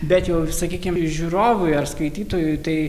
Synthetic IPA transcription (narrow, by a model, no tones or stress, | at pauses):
bʲɛt̪jɛʊsɐkʲiːkʲɪmʒʲuːɾoːʋʊjɐrskɐɪt̪ʲiːt̪oːjʊt̪ɐɪ